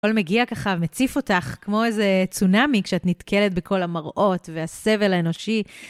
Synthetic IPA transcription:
o̞lme̞ɡiakaχavmet͡sifo̞taχkmo̞ezet͡sunamikʃeatnitkʰe̞let̚bekʰo̞lamaʁʔo̞tvease̞ve̞laeno̞ʃi

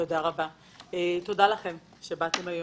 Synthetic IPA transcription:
odaʁaba | eto̞dalaχe̞m | ʃe̞bat̪e̞majo

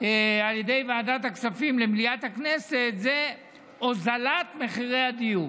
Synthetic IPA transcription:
ealjedejvaːdathaksafimlemilijat̪hakneset̪ze | ozalat̪meχiʁejad̪iju

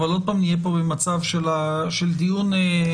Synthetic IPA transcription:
valo̞d̪̚paːmnijep̬o̞bemat͡savʃela | ʃeld̪ijune

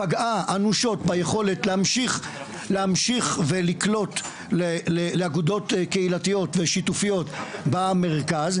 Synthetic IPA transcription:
paɡaanuʃo̞tbajeχo̞le̞tleamʃiχ | leamʃiχveliklo̞t | leleleaɡud̪o̞t̪keilatijo̞tveʃitufijo̞t̪bame̞ʁkaz

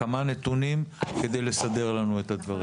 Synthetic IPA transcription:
amane̞t̪unimke̞d̪e̞jle̞sad̪e̞ʁlanuet̪had̪vaʁi

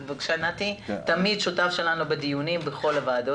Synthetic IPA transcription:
vakʃanat̪it̪amid̪ʃutafʃe̞lanubed̪ijunimbeχo̞lavaːd̪o

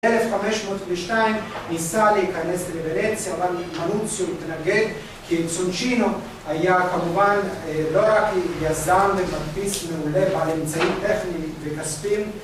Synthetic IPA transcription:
elefχame̞ʃmo̞t̪veʃnaimːisaleikane̞stlevenet͡sjaːvalmanut͡sjomit̪naɡe̞d̪ | kʰisunʃino | ajakamuvanlo̞ʁakjazamvematpismeule̞bealemt͡saitt̪e̞χnivekaspim

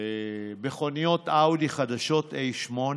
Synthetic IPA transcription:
ebeχo̞nijo̞t̪awd̪iχad̪aʃo̞t̪ejʃmo̞n

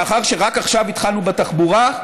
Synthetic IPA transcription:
aχaʁʃe̞ʁakaχʃavit̪χalnubet̪aχbuʁa

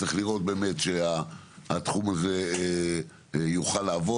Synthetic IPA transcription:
eχliʁo̞t̪̚be̞ːmet̪ʃea | at̪χumaze̞ | juχalːaːvo

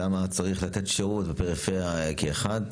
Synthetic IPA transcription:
amat͡saʁiχlat̪e̞tʃeʁut̪bepeʁifeʁjakeːχad̪

